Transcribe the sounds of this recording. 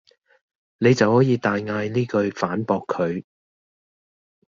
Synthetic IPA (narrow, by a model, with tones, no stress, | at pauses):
ne˨˧jt͡sɐ˨whɔː˨˥jiː˨˧t̪aː˨jŋaː˧jniː˥kɵ˧ɥfaː˨˥npɔː˧kʰːɵ˨˧ɥ